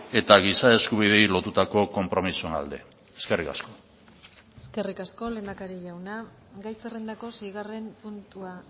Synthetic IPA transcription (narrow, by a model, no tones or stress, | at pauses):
e̞t̪aɣisae̞skuβ̞ið̞e̞jlo̞t̪ut̪ako̞ko̞mpɾo̞misue̞na̰ld̪e̞̰ | eske̞rika̰sko̞ | eske̞rikasko̞le̞ːnd̪akaɾiʎawna | ɡajserend̪ako̞sejɣ̞are̞mpunt̪ua